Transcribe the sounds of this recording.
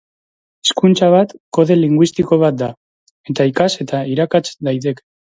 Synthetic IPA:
e̥skunt͡saβ̞at̪ko̞ðe̞liŋɡwist̪iko̞β̞at̪̚d̪a | e̞t̪aikase̞t̪aiɾakat͡sd̪ajt̪e̞ke̥

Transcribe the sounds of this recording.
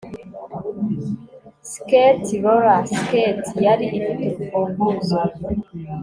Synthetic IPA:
sketiβoɾasketʰijaɾiʔːnidifuŋɡuza

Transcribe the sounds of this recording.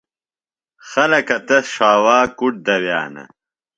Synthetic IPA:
xɐlɐkɐt̪ɐsʂaːwaːkuʈ̚d̪ɐwja̰ːnɐ̰

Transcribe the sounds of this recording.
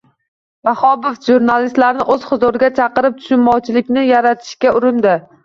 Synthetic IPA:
bahɒbɪfʒuɾnalɪst̪laɾnɪʔɵz̥χɨzʊɾɡʲat͡ʃʰɑqɨɾɪp̚t̪ʰʊ̥ʃɪnmɒwt͡ʃʰɪlɪkʲnɪjaɾat̪ʰɪ̥ʃkʲaʊɾɪnd̪ɪ

